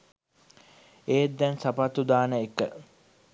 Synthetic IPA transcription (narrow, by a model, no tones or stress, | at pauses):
eːd̪ːɛnsapat̪ud̪aːnəekːə